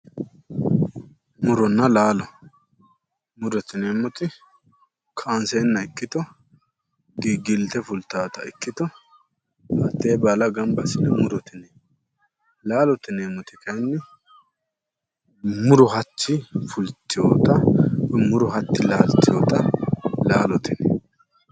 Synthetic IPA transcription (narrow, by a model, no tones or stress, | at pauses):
mʊɾɔnːɐlaːlɔ | mʊɾɔt̪ɪneːmːɔt̪ɪ | kʰaːnseːnːɐɪkːɪt̪ɔ | ɡiɡɪlt̪ɛfʊlt̪ːaːt̪ɐɪkːɪt̪ɔ | hat̪ːeːbaːlɐɡɐmbɐsɪnɛmʊɾɔt̪ɪnɛ | laːlɔt̪ɪneːmɔt̪ɪkɐjnːɪ | mʊɾɔɦɐt͡ʃːɪfʊlt̪ːɪjoːt̪ɐmʊɾʊhɐt̪ːɪlaːlt̪ːɪjo̰ːt̪ɐlaːlɔt̪ɪnɛ